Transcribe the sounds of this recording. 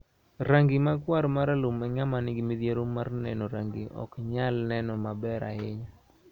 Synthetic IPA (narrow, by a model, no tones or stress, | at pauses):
ɾaŋɡimaɡwaɾmaɾalomɛɲamanɪɡimid̪jeɾomːarnɛ̰nɔɾaŋɡiʔɔ̰kɲalnɛnɔmabɛɾa̰ɪɲa